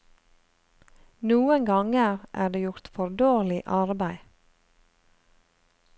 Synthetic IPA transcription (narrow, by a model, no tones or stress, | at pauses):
nuːəŋɡɑŋəʁʔæ̰ːɖeːjʊɾt̪fɔɾd̪oːʁlɪʔɑɾbæɪ